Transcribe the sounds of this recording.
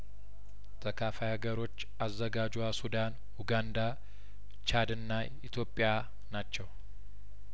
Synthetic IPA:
t̪ʰʼəkʰafajaɡəɾo̞t͡ʃːʔazːəɡad͡ʒwasud̪an | uɡand̪a | t͡ʃad̪ɨnːa | it̪ʰjo̞pʼːja | nat͡ʃːɛw

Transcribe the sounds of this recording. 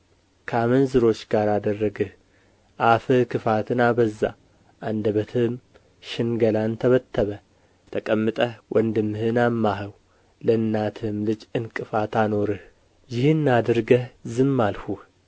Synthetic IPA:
kʰamənzɨɾo̞t͡ʃːɡaɾad̪ərːəɡɨh | ʔafɨhkʰɨfat̪ʰɨnabəzːa̰ | ʔand̪əβət̪ʰɨm | ʃɪnɡəlant̪ʰəβət̪ʰːəβə | t̪ʰəkʼəmːɨt̪ʼəhwʔənd̪ɨmːɨhɨnamːaɦəw | ləɨnːat̪ʰɨmlɨd͡ʒɨnkʼɨfat̪ano̞ɾɨh | jɪhɨnːad̪əɾɡəhzɨmːalhuh

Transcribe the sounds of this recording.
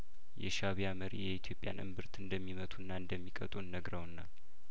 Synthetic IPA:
jɛʃaβijaməɾḭjɛit̪ʰjo̞pʼːja̰nʔɨ̰mbɨɾt̪ʰɨnd̪əmːimət̪ʰʼunːaɨnd̪əmːikʼət̪ʼunːəɡɾəwnːa

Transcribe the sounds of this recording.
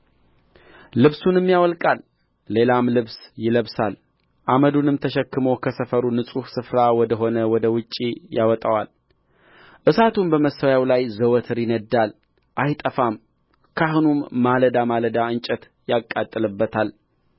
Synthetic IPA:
lɨβsunɨmːjawɔlkʼalː | e̞lamlɨβsjɪləβsal | ʔaməd̪unɨmt̪ʰəʃɛkːɨmowkʰəsəfəɾunɨsʼuhsɨfɾawɔd̪əɦo̞nəwɔd̪əwɨt͡ʃʼːijawɔt̪ʼawal | ʔɨsat̪ʰumbəməsawjawlajzəwɔt̪ʰɨɾjɪnəd̪ːal | ʔajt̪ʼəfam | kʰahunumːaləd̪amaləd̪aɨnt͡ʃʼɛt̪ | jakʼːat̪ʼːɨlɨbːət̪ʰal

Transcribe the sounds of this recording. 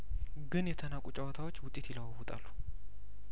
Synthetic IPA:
ɡɨnjɛt̪ʰənakʷʼut͡ʃʼɐwɔt̪ʰawo̞t͡ʃːwʊt̪ʼːe̞t̪jɪləwawʊt̪ʼalːu̥

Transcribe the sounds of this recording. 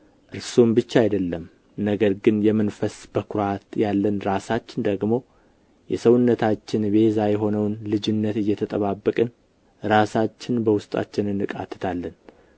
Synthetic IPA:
ʔɨɾsumbɨt͡ʃːajd̪əlːəm | nəɡəɾɡɨnjɛmːɨnfəsb̥əkʰʊɾat̪jalːənɾasat͡ʃːɪnd̪əɡmo̞ | jɛsəwʊnːət̪ʰat͡ʃːɪnbe̞zajɛɦo̞nəwnlɨd͡ʒɪnːət̪ɨjːɛt̪ʰət̪ʼəβabːəkʼɨn | ɾasat͡ʃːɪnbəwʊst̪ʼa̰t͡ʃːɪnɨnːɨkʼa̰t̪ʰːɨ̥t̪ʰalːən

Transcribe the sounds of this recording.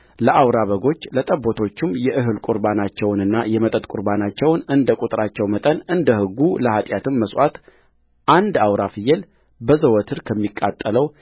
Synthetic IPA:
ləʔawɾaβəɡo̞t͡ʃːlət̪ʼəbːo̞t̪ʰo̞t͡ʃːɪmjɛʔɨɦɨlkʼʊɾbanat͡ʃːɛwnɨnːajɛmət̪ʼət̪ʼkʼʊɾbanat͡ʃːɛwnɨnd̪əkʼut̪ʼɾat͡ʃːɛwmət̪ʼənɨnd̪əhɨɡːuləhat̪ʼjat̪ʰɨmːəswʷat̪ | ʔand̪awɾafɨjːɛl | bəzəwɔt̪ʰɨɾkʰəmːikʼːat̪ʼːələw

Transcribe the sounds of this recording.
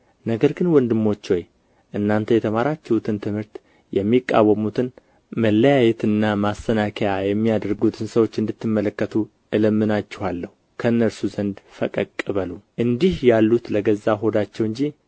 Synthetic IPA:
nəɡəɾɡɨnwɔnd̪ɨmːo̞t͡ʃːoj | ʔɨnːant̪ʰəjɛt̪ʰəmaɾat͡ʃːɛhut̪ʰɨnt̪ʰɨmhɨɾt̪ | jɛmːikʼːa̰wəmut̪ʰɨn | məlːəjajɛt̪ʰɨnːamast̪ənakʰəjajɛmːijad̪əɾɡut̪ʰɨnsəwo̞t͡ʃːɨnd̪ɨt̪ːɨmːələkːət̪ʰu | ʔɨləmːɨnat͡ʃːɛhalːəhukʰəɨnːəlsuzənd̪fəkʼəkʼːɨβəluʔɨnd̪ihjalːut̪ləɡəzːaɦo̞d̪at͡ʃːɛwɨɲd͡ʒi

